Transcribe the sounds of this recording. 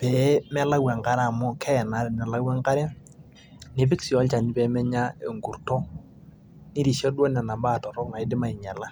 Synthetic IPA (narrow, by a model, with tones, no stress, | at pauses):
pɛ˨˦mɛ˦la˦wɛ˨ŋka˦ɾa˨mʊ˦kʰɛ˦ɛ˨na˨˦ɾɪ˨nɛ˨la˦wɛ˦ŋka˦ɾɛ˦ | ne˦p̬ɪ˦ksi˨ɔ˨˦lt͡ʃa˨ni˦pɛ˨˦mɛ˦ɲa˦e˨ŋɡu˨ɾto˦ | ni˦ɾi˨ʃɔ˦dwɔ˦nɛ˨na˨mba˦˨tɔ˨ɾɔ˦kŋa˨ɪ˦dɪ˦ma˨ɪ˨ɲa˨la˦